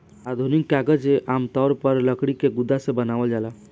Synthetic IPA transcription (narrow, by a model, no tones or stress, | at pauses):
ad̪ʱunikːaɡəd͡ʒeʔamt̪ɔɾpəɾləkɽikeɡud̪ʱːasebənaʋəld͡ʒala